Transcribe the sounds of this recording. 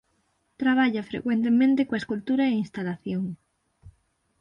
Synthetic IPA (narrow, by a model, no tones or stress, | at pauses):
t̪ɾaβ̞aʎafɾḛkwẽnt̪emẽnt̪ekoeskult̪uɾaeinst̪alaθjoŋ